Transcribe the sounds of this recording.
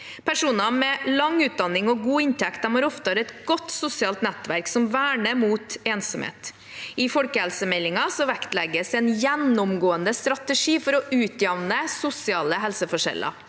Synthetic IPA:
pʰæʂuːnɑmɛlɑŋʉːt̪̚d̪ɑnːɪŋɔɡuːɪnt̪ʰɛkt̪ɑmoːɾɔft̪ɾɛt̪ɡ̥ɔt̪sʊsɪɑːlt̪nɛt̪ʋæɾksɔmʋæːɳəmuːt̪eːnsɔmhḛːt̪ | ɪfɔlkəhɛlsəmɛlːɪŋɑsɔʋækt̪lɛɡəsɛnjɛnːʊmɡoːənd̪əst̪ɾɑt̪əʂiːfɔɾɔʔʉːt̪ʰjɑʋnəsʊsɪɑːləɦɛlsəfɔʂɛ̰lɑ̰

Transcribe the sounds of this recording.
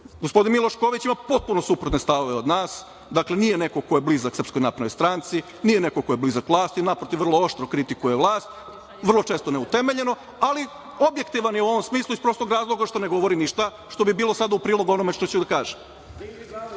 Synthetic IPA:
ɡospod̪inmilˠoʃkoːʋit͡ɕimapo̞t̪̚punosupɾut̪ne̞st̪aʋoʋeo̞d̪naːs | d̪akle̞nijene̞kokojeblizaksɾr̩psko̞jnapɾaojst̪ɾaːnt̪si | nijene̞kokojeblizakʋlˠaːst̪inapɾot̪iʋr̩lˠo̞o̞ʃt̪ɾokɾit̪ikujeʋlˠaːst̪ | ʋər̩lˠot͡ʃe̞ːst̪one̞ut̪e̞me̞ʎe̞no̞ | ali | o̞bje̞kt̪iʋanjeuo̞ʋomsmiːslˠuispɾost̪oɡɾaːzlˠo̞ɡaʃt̪one̞ɡo̞ʋo̞ɾiniʃt̪a | ʃt̪o̞bibiːlˠo̞sad̪aupɾiːlˠo̞ɡuo̞no̞me̞ʃt̪ot͡ɕud̪akaːʒem

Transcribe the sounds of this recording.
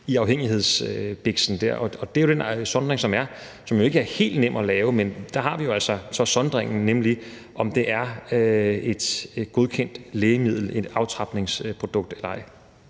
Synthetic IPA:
iɑ̈ʊheŋ̰iɦe̝ð̞̰ˠsb̥eɡ̥sn̩d̥æ̰ɐ̰ʔɒ̽ɒ̽d̥e̝jo̝d̥ensɒ̽nd̥ʁeŋsɒ̽mæɐ | sɒ̽mjo̝e̝ɡ̥əæɐhe̝̰ːld̥nem̰ɒ̽lɛːʊəmend̥ɑ̈ɦɑ̈ʋijo̝æl̰sɒsɒ̽sɒ̽nd̥ʁeŋ̰n̩nemli | ʔɒ̽md̥e̝ʔæɐøe̝d̥ɡ̥o̝ð̞ˠkʰen̰d̥leːɪəmið̰ˠl̩e̝d̥ɑ̈ʊt͡sʰʁɑ̈b̥ne̝ŋspʰʁo̝d̥ɔ̽ɡ̥̚d̥elɐɑ̈ɪ

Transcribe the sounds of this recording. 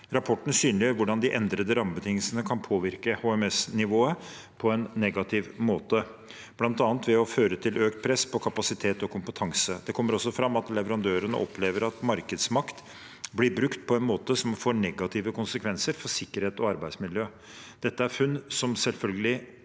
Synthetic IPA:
ɾɑpʰɔʈːn̩syːnlɪəɾʋʊɖɑnd̪ɪʔɛnd̪ɾəd̪əɾɑmːəbət̪ʰɪŋəlsənəkʰɑnpʰoːʋɪɾkəhuɛmɛsnɪʋoːə | pʰɔɛnːɛɡɑt̪ʰɪʋmoːt̪ə | b̥lɑnt̪ɑːnt̪ʋɛɔføːɾət̪ʰɪlʔøːkt̪̚pʰɾɛspʰɔkʰɑpɑsɪt̪ʰeːt̪ɔkʰʊmpət̪ʰɑŋsəd̪̥ɛkʰɔmːəɾɔsːɔfɾɑmːɑt̪lɛʋəɾɑnd̪øːɾənə̰ʔɔpʰleːʋəɾɑt̪mɑɾkəd̪smɑkt̪ | blɪɾbɾʉkt̪pʰɔɛnmoːt̪əsɔmfoːɳɛɡɑt̪ʰɪʋəkʊnsəkʰʋɛnsəɾfɔsɪkːəɾheːt̪ɔɑɾbæɪsmɪljøː | d̪̥ɛt̪ːəæɾfʉnːsɔmsɛlfœlɡəlɪ

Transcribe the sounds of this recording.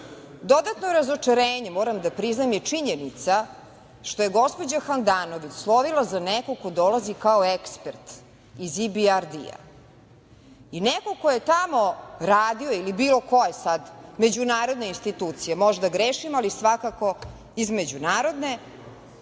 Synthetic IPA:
d̪o̞d̪at̪noɾazot͡ʂaɾeːɲemoːɾamd̪apɾiznamjet͡ʂiɲenit̪sa | ʃt̪ojeɡospod͡ʑaxand̪aːnoʋit͡ɕslˠoʋilˠazanekokod̪olazikaoekspeɾt̪ | izibiaɾd̪ḭa̰ | ineko̞kojet̪amo̞ɾaːd̪ioilibiːlˠo̞kojesad̪me̞d͡ʑunaːɾo̞d̪nainst̪it̪uːt̪sijemoʒd̪aɡɾeʃimalisʋakako̞ | izmed͡ʑunaːɾo̞d̪ne̞

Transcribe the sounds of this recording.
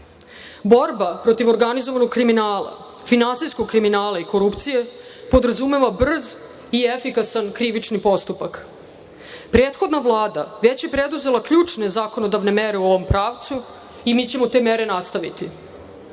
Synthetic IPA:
bo̞ɾbapɾo̞t̪iʋo̞ɾɡanizoʋano̞ɡkɾiminaːla̰ | finansijskoɡ̚kːɾiminaːlˠaiko̞ɾupt̪sije̞ | po̞d̪ɾazume̞ʋabr̩z | iefikasankɾiʋit͡ʂnipo̞st̪upak | pɾeːt̪xo̞d̪naʋlˠaːd̪aʋe̞t͡ɕje̞pɾed̪uze̞lˠakʎuːt͡ʂne̞zaːko̞no̞d̪aʋne̞meɾeooʋo̞mpɾaːʋt̪su | imit͡ɕe̞mo̞t̪e̞meɾe̞nast̪aʋit̪i

